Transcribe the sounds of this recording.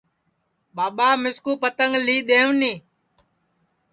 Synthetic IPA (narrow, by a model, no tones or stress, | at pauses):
ɓaːɓaːmɪskuːpət̪əŋɡliːɗ̪eːʋnĩː